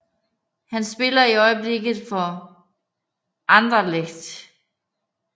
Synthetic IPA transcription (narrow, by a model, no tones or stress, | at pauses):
hænsb̥e̝lɐiɒ̽ɪb̥le̝ɡ̥ð̩ˠfɒ | ʔɑ̈nd̥ʁɐleɡ̥d̥